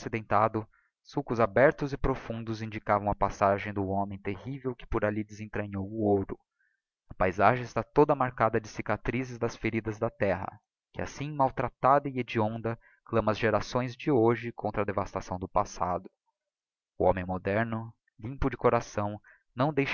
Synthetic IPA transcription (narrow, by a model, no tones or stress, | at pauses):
sid̪ẽnt̪ad̪ʊ | sukʊzabɛɾt̪ʊzɪpɾofũnd̪ʊzĩnd͡ʒikavɐ̃w̃ɐpasaʒẽj̃d̪ʊõmẽj̃t̪ehivewkɪ̥poɾalid͡ʒ̪ɪzẽnt̪ɾɐ̃ɲowʊoɾʊ | ɐpajzaʒẽj̃ɪst̪at̪od̪ɐmaɾkad̪ɐd͡ʒɪsikat̪ɾizɪzd̪ɐsfeɾid̪ɐzd̪ɐt̪ɛɦɐ̰ | kɪa̰sĩmawt̪ɾat̪ad̪ɐied͡ʒiõnd̪ɐ | klɐ̃mɐzʒeɾasõj̃zd͡ʒɪoʒɪkʰõnt̪ɾɐd̪evast̪asɐ̃w̃d̪ʊpasad̪ʊ | ʊõ̰mẽj̃mod̪ɛɾnʊ | lĩpʊd͡ʒɪkoɾasɐ̃w̃ | nɐ̃w̃d̪ejʃ